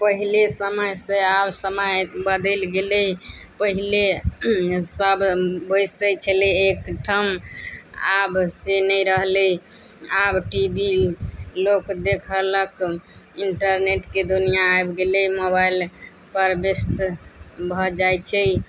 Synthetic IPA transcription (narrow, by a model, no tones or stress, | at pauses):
pəɦilesəməjsẽabsəməjbəd̪əlɡelɛj | pəɦile | səbbəjsəjt͡ʃʰəleekʈʰəm | a̰bsenəjɾəɦlɛ | abʈibilokd̪ekʰələkiɳʈəɾneʈked̪unijaːjbɡelɛjmobail | pəɾbest̪bʱɔd͡ʒajt͡ʃʰɛj